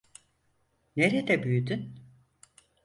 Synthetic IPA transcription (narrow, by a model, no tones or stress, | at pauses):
neɾed̪ɛbyjyd̪yn